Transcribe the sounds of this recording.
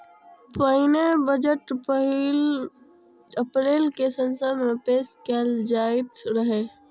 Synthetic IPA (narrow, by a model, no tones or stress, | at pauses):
pəɪnebəd͡ʒəʈpɦl | əpɾeːlkesənsəd̪mẽpeːskeld͡ʒaːɪt̪ɾəɦeː